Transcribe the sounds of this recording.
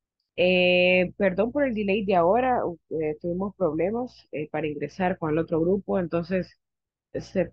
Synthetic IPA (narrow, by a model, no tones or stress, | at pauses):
epe̞ɾðo̞mpo̞ɾeld̪ilejt̪̚d̪eao̞ɾaet̪uβimo̞spɾo̞βle̞mas | epaɾaiŋɡɾe̞saɾko̞ŋe̞lo̞t̪ɾo̞ɣɾupo̞ent̪o̞nse̞sː | e